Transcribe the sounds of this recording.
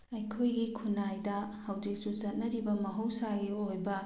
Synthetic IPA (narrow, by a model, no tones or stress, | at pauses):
ɐjkʰojɡikʰunajdɐhɐwd͡ʒik̚suzɐt̚nɐɾibɐmɐɦɐwsaɡiojbɐ